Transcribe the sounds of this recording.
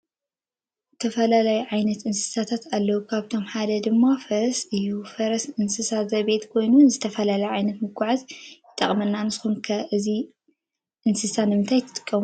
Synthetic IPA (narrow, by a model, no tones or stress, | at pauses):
zɨt̪ʰɐfɐlalajuʕajnɐt̪ɨnsɨ̥sat̪ʰat̪alːɐwukʰaβt̪ʰo̞mħad̪ɐd̪ɨmːafɐsɨjufɐɾɐsɨnsɨsazɐβe̞t̪kʰo̞jnunzɨt̪ʰɐfɐlalajuʕajnɐt̪mɨɡʷaʕazjɪt̪ʼːɐχʼmɐnːanɨsxunkʰɐʔɨzi | ʔɨnsɨsanɨmɨnt̪ʰajt̪ʰɨ̥t̪ʼɨ̥kʼːɐmu